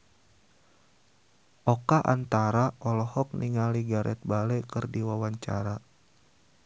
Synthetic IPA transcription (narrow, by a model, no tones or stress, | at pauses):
ʔɔkaʔant̪aɾaɔlɔhɔk̚niŋaliɡaɾʔɛ̰t̪̚balɛkɨrdiwawaɲt͡ʃa̰ɾa